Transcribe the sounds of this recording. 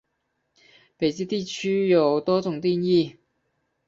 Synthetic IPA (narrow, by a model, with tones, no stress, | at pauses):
pe˨˩jt͡siː˥t̪iː˥˩t͡ʃʰyː˥jo˨˧wt̪ɔː˥t͡sʊ˨ŋt̪iː˥njiː˥˩